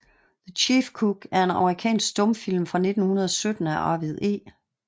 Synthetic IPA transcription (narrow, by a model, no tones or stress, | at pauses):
ðət͡ɕʰiːfkʰuɡ̥æɐe̝nɑ̈məʁikʰɛ̰ːnsɡ̥d̥ɔ̽mfil̰mfʁɑ̈ne̝d̥n̩hunɐð̞ˠɒsød̥n̩æʔɑ̰̈ːʋiðˠe̝̰ː